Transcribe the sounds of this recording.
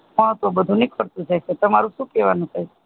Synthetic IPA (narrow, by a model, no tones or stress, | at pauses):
ɦə̃t̪obəd̪ʱũnikəɾt̪ũd͡ʒʰet͡ʃʰet̪əmaɾũʃũkeʋanũt̪ʰəj